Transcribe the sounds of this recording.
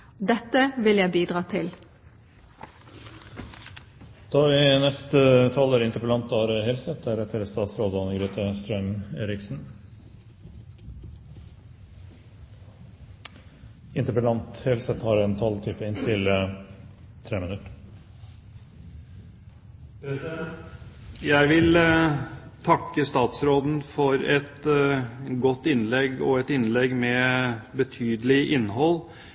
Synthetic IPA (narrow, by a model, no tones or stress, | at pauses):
d̪ɛt̪əʋɪljæɪbiːd̪ʁɑːt̪ʰɪl | d̪̥ɑːɪːnɛst̪ət̪ʰɑləːɾɪnt̪əɾpəlɑnt̪̚ɑːɾheːlsət̪̚æːɾɛt̪ʰəɾst̪ɑːt̪sɾoːd̪ɑnəɡɾyːt̪ʰəst̪ɾœŋeːɾɪksn̩ | ɪnt̪əpəlɑnt̪hɛlsɛt̪hɑːɾɛnt̪ʰɑlt̪ʰyːpəɪnt̪ʰɪl | t̪ʰɾeːmənʉt̪ | pʰɾɛɛ | jæɪʋɪl | t̪ʰɑkːəst̪ɑːt̪sɾoːd̪n̩fɔɾɛt̪ | ɡɔt̪ːɪnlɛɡɔ̰ɛt̪ɪnlɛɡmɛːbət̪ʰyːd̪əlɪʔɪnːɦɔl